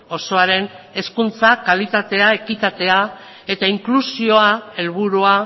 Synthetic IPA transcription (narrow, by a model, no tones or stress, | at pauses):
o̞so̞aɾe̞ne̞skunt͡sakalit̪at̪e̞ae̞kit̪at̪e̞a | e̞t̪aiŋklusio̞ae̞lβuɾua